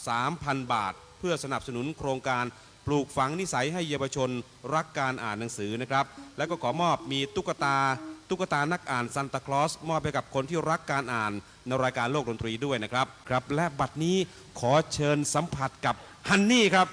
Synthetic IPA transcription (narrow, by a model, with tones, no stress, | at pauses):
saː˨˩˦mpʰa˧nba̰ː˨˩t̪̚pʰɯ˥˩ɐsa˧na˨˩p̚sa˧nu˩˦nkʰɾoː˧ŋkaː˧n | pluː˨˩k̚fa˨˦ŋni˦˥sa˩˦jɦa˥˩jːaː˧waː˧t͡ɕʰo˧n | ɾa˦˥kːaː˧nʔa̰ː˨˩nːa˩˦ŋsɯː˩˦na˦˥kʰɾa˦˥p̚lɛ˦˥wkɔː˥˩kʰɔː˩˦mɔː˥˩p̚miː˧t̪u˦˥kːa˧t̪aː˧t̪u˦˥k̚ːa˧t̪aː˧na˦˥k̚ʔaː˨˩nsa˧nt̪aː˧kʰlɔː˦˥smɔː˥˩p̚ha˥˩jka˨˩p̚kʰo˧nt̪ʰiː˥˩ɾa˦˥kːaː˧nʔaː˨˩nː | a˧jɾaː˧jkaː˧nloː˥˩k̚do˧nt̪ɾiː˧du˥˩əjna˦˥kʰɾa˦˥p̚kʰɾa˦˥p̚lɛ˦˥ʔba˨˩t̪̚niː˦˥ | kʰɔː˩˦t͡ɕʰɤː˧nsa˨˩˦mpʰa˨˩t̪̚ka˨˩p̚ | ha˧nːiː˥˩kʰɾa˦˥p̚